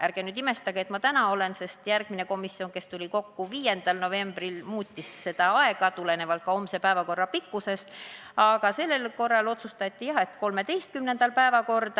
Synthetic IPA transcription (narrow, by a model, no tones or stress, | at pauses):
ʔæɾɡ̥enyd̪ime̞st̪ɑɡ̥eet̪mɑt̪ænɑo̞le̞nse̞st̪jærɡ̥mineko̞misːio̞nke̞st̪ulʲiko̞kːuviːje̞nd̪̥ɑlno̞ve̞mb̥rilmuːt̪ʲːisːe̞d̪̥ɑɑe̞ɡ̥ɑt̪ule̞ne̞vɑlt̪̚kɑo̞mse̞pæevɑko̞rːɑpikːuse̞st̪ɑɡ̥ɑse̞lːe̞lko̞rːɑlo̞t̪sust̪ɑt̪ʲːijɑhe̞t̪ko̞lme̞t̪e̞jst̪̚kymnend̪̥ɑlpæevɑko̞rd̪̥ɑ